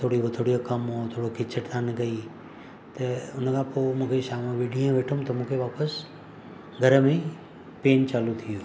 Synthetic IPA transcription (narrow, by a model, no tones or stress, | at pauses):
t̪ʰoːɽibɪt̪ʰoːɽijokɐmɦot̪ʰoːɽokʰɪt͡ɕʰəʈt̪ʰaːnkɐi | t̪ɐʊnəkʰãpoːmũːkʰeʃaːmãʋiɖijẽʋeːʈʰʊ̃mt̪ɐmũːkʰeʋaːpəs | ɡʱɐɾəmẽ | peːnt͡ɕaːlut̪ʰijoː